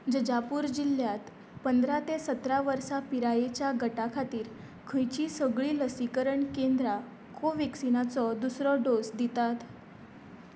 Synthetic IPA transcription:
d͡zəd͡ʑapuːɾd͡ʑil̤ːjat̪ | pənd̪ʱɾat̪esət̪ɾaʋəɾsapiɾajet͡ɕjaɡəʈakʰat̪iːɾ | kʰə̃jt͡ɕiːsəɡɭiːləsikəɾəɳkend̪ɾa | kʰoʋeksinat͡sɔd̪usɾɔɖosd̪it̪at̪

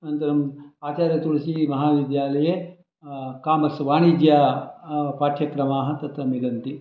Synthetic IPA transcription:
nɐnt̪ɐɾɐmaːt͡ʃaːɾjɐt̪uɽɐsimɐɦaːʋid̪jaːlɐje | kaːmɐsʋaːnid͡ʒjaː | paːʈʰjɐkɾɐmaːɦɐt̪ɐt̪ʋɐmiɡɐnt̪i

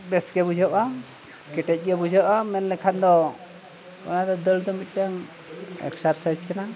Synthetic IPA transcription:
bɛsɡɛbud͡ʒʱɔʔa | kɛʈɛc̚ˀɡɛbud͡ʒʱɔʔamɛnlɛkʰand̪ɔ | ɔ̰nad̪ɔd̪əld̪ɔmic̪̚ˀtaŋ | ɛ̰ksaɾsad͡ʒkɛna

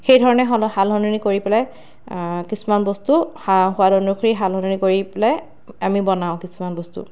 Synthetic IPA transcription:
xejdʱɔɹɔnɛɦɔhalɦɔninikoɹipɛlɛ | kisumanbɔstuhaɦʊwadɔnukʰɔɹiɦalɦɔninikoɹiplɛ | amibɔnaʊ̃kisumanbɔstṵ

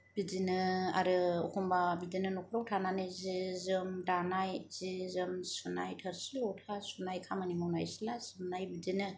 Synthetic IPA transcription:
b̥id͡ʒinɯa̰ɾɯɔ̰kʰumbabidinɯnɔkʰuɾɔwtʰananɯzizɯmdanajz̥izɯmsunajtʰɯɾsilɔwtʰasunajkʰamanimɔwnajsilasɯmnajbid͡ʒinɯ

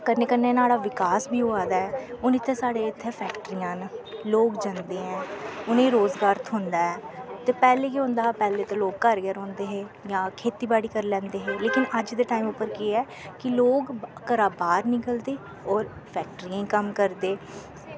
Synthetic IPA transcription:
kəneːkənːeːnaːɽaːʋɪkaːsbʱiːɦoːaːd̪aːɛːʊnɪt̪ʰːeːsaːɽeːɪt̪ʰːeːpʰɛːkʈɾiːãːnloːɡd͡ʒãnd̪ẽːɛ̃ːʊnẽːɾoːzɡaːɾt̪ʰɦʊ̃nd̪aːɛːt̪eːpɛːleːkiɦõːnd̪aːpɛːleːt̪ãːloːkkəɾɡɛːɾɦõːnd̪eːɦeːjãːkʰeːt̪iːbaːɽiːkəɾlɛ̃ːnd̪eːɦeːleːkɪnəd͡ʒd̪eːʈaːiːmʊpːəɾkeːɛː | kɪloːɡkəɾaːbaːɾnɪkəld̪eː | ɔːɾ | pʰɛːk̚ʈəɾiãːkəmkəɾd̪eː

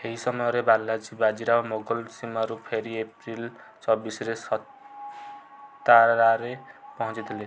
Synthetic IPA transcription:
ɦeɦisʌmʌɾebalːad͡zibad͡ziɾaamoɡʌlsimʌɾupʰeɾiepril | t͡sʌbisɾesʌt̪ | aɾaɾepʌɦʌ̃nt͡sit̪ʰele

